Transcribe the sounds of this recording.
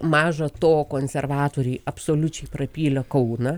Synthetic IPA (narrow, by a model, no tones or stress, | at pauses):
mɑːʒɐt̪oːkoːnʲsʲɛrʋɑːt̪oːɾʲeːɐpsoːlʲʊt͡ʃʲɛɪprɐpʲiːlʲɐkɐʊnɐ